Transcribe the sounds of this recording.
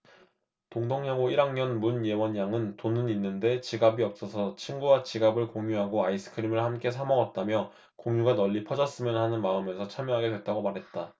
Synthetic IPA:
toŋdoŋɲaŋoiɾaŋɲʌnmunje̞wʌɲjaŋɯntonɯninːɯnde̞t͡ɕiɡabiʌp̚s͈ʌsʰʌt͡ɕʰinɡuwat͡ɕiɡabɯɭkoŋjuɦaɡoais͈ʰɯ̥kʰɯɾimɯɭhamk͈e̞s̬ʰamʌɡʌt̚t͈amjʌ | koŋjuɡanʌʎːipʰʌd͡ʑʌs͈ɯmjʌnhanɯnmaɯmjʌnsʰʌt͡ɕʰamjʌɦaɡe̞dwe̞t̚t͈aɡomaɾɦe̞t̚t͈a

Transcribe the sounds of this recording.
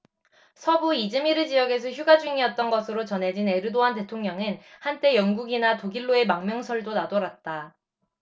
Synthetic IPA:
sʰʌbuid͡ʑɯmiɾɯd͡ʑijʌɡe̞sʰʌçjuɡad͡ʑuŋiʌt̚t͈ʌnɡʌsʰɯɾot͡ɕʌnɦe̞d͡ʑine̞ɾɯdoɦante̞tʰoŋɲʌŋɯnhant͈e̞jʌŋɡuɡinatoɡiɭːoe̞maŋmjʌŋsʰʌɭdonadoɾat̚t͈a

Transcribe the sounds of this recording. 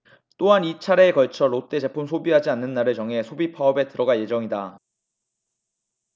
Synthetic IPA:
t͈oɦanit͡ɕʰaɾe̞ːkʌɭt͡ɕʰʌɾot͈e̞t͡ɕe̞pʰumsʰobiɦad͡ʑianːɯnːaɾɯɭt͡ɕʌŋɦe̞sʰobipʰaʌbe̞tɯɾʌɡaje̞d͡ʑʌŋida

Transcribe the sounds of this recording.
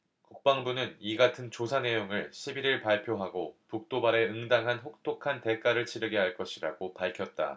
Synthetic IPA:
kuk̚p͈aŋbunɯniɡatʰɯnt͡ɕosʰane̞joŋɯɭɕʰibiɾiɭpaɭpʰjoɦaɡopuk̚t͈obaɾe̞ɯŋdaŋɦanɸok̚tʰokʰante̞k͈aɾɯɭt͡ɕʰiɾɯɡeɦaɭk͈ʌɕʰiɾa̰ɡopaɭkʰjʌt̚t͈a̰

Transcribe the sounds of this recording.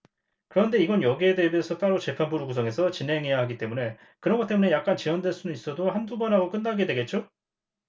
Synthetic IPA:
kɯɾʌnde̞iɡʌnjʌɡiedebeesʰʌt͈aɾot͡ɕe̞pʰanbuɾuɡusʰʌŋe̞sʰʌt͡ɕinɦe̞ŋɦe̞jaɦaɡit͈e̞mune̞ | kɯɾʌnŋɡʌt͈e̞mune̞jak̚k͈ant͡ɕiʌndweɭs͈unɯnis͈ʌdohandubʌnɦaɡok͈ɯndaɡe̞dwe̞ɡe̞t̚t͡ɕ͈o

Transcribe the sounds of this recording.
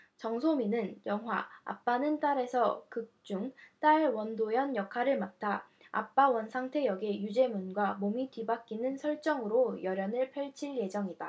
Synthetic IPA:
t͡ɕʌŋsʰominɯnjʌŋɦwaa̰p͈anɯnt͈aɾe̞sʰʌkɯk̚t͡ɕ͈uŋt͈aɭwʌndojʌnjʌkʰaɾɯɭmatʰa | a̰p͈awʌnsʰaŋtʰe̞jʌɡejud͡ʑe̞munɡwamomitɥibak͈inɯnsʰʌɭt͡ɕ͈ʌŋɯɾojʌɾjʌnɯɭpʰjʌɭt͡ɕʰiɭje̞d͡ʑʌŋida

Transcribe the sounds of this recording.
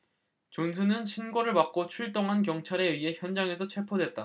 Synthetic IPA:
t͡ɕons̬ʰunɯnɕʰinɡoɾɯɭpak̚k͈ot͡ɕʰuɭt͈oŋɦankjʌŋt͡ɕʰaɾe̞ɥie̞çjʌnd͡ʑaŋe̞sʰʌt͡ɕʰwe̞pʰodwe̞t̚t͈a

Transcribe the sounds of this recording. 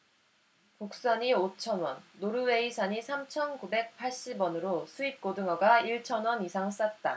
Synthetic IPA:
kuk̚s͈aɲiot͡ɕʰʌnwʌnːoɾɯwe̞isʰaɲisʰamt͡ɕʰʌnkube̞k̚pʰaɭɕ͈ibwʌnɯɾosʰuik͈odɯŋʌɡaiɭt͡ɕʰʌnwʌnisʰaŋs͈at̚t͈a

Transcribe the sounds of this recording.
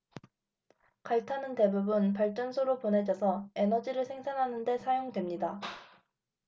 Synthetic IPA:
kaɭtʰanɯnte̞bubunpaɭt͡ɕ͈ʌnsʰoɾoponɦe̞d͡ʑʌsʰʌe̞nʌd͡ʑiɾɯɭsʰe̞ŋsʰanɦanɯnde̞sʰajoŋdwe̞mɲida

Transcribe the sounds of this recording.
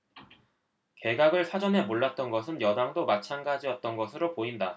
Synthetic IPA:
ke̞ɡaɡɯɭsʰad͡ʑʌnɦe̞moɭːat̚t͈ʌnɡʌs̬ʰɯnjʌdaŋdomat͡ɕʰanɡad͡ʑiʌt̚t͈ʌnɡʌsʰɯɾopoinda

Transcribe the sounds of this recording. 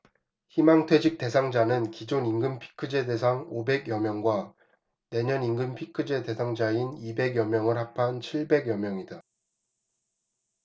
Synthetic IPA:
çimaŋtʰwe̞d͡ʑik̚t͈e̞s̬ʰaŋd͡ʑanɯnkid͡ʑoniŋɡɯmpʰi̥kʰːɯd͡ʑe̞de̞sʰaŋobe̞ɡjʌmjʌŋɡwa | ne̞ɲʌniŋɡɯmpʰikʰɯd͡ʑe̞de̞sʰaŋd͡ʑainibe̞ɡjʌmjʌŋɯɭɦapʰant͡ɕʰiɭbe̞ɡjʌmjʌŋida

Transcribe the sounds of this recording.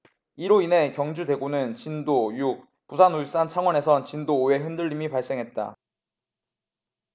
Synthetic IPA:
iɾoine̞kjʌŋd͡ʑude̞ɡonɯnt͡ɕindojuk̚ | pusʰanos͈ant͡ɕʰaŋwʌne̞sʰʌnt͡ɕindoːe̞ɦɯndɯʎːimipaɭs͈eŋɦet̚t͈a̰

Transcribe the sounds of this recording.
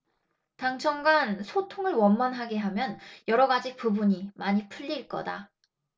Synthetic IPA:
taŋt͡ɕʰʌŋɡansʰotʰoŋɯɭwʌnmʌnɦaɡe̞ɦamjʌnjʌɾʌɡad͡ʑipubuɲimaɲipʰuʎːiɭk͈ʌ̰da̰

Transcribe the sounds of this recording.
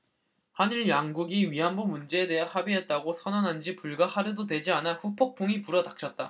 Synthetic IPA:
haniɭjaŋɡuɡiɥiɦanbomund͡ʑe̞ede̞ɦehabiɦe̞t̚t͈aɡosʰʌnʌnɦand͡ʑipuɭɡahaɾɯdodwe̞d͡ʑianaɸupʰok̚p͈oŋipuɾʌdak̚t͡ɕʰʌt̚t͈a

